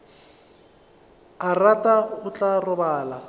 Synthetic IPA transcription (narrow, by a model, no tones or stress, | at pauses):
aratʼaʊt͡ɬʼarʊbaːla